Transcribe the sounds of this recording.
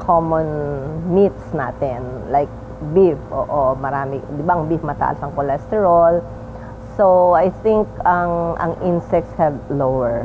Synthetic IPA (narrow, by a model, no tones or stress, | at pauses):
kʰomɔnmit̪̚sna̰ːt̪ɛnlajk̚ | bifʔo̰ːʔomɐɾaːmɪd̪ɪbaʔɐŋbifmɐt̪a̰ːʔɐsɐŋkolɛst̪ɛɹal | soajθĩŋkɐŋɐ̰ŋʔinsɛk̚t̪shɛdlowɛɹ